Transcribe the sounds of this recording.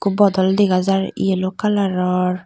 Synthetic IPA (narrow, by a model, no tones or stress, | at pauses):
kubbːɔd̪ɔld̪eɡazaɾḭelokalaɾɔɾ